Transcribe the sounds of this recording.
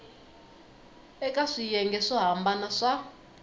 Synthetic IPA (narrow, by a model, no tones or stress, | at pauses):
ɛkʼaʂijɛŋɡɛʂɔɦambanaʂa